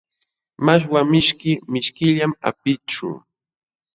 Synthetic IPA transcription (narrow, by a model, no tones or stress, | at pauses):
maʃ̬wamɪʃkɪmɪʃkɪʎama̰pɪt͡ʃʊ̰